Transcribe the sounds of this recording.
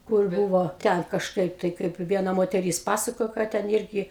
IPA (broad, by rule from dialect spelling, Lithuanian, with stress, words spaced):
kʊr ˈbuːʋoː ˈtʲɛn kɐʃˈkɐɪp tɐɪ ˈkɐɪp ˈʋʲiɛnɐ moːtʲɛˈrʲiːs ˈpɑːsɐkoːjoː ˈkɑː tʲɛn ˈɪrʲɡʲɪ